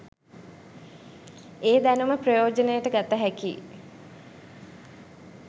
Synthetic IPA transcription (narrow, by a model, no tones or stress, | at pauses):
eːd̪ænuməprəjoːd͡ʒənəjəʈəɡat̪aɦækḭː